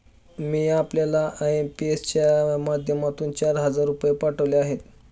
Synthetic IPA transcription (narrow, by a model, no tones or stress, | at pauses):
miːapljalaʔempiest͡ɕjamad̪ʱjəmat̪uːnt͡ɕaɾɦəd͡zaɾːupjepaʈʰəʋljeaɦet̪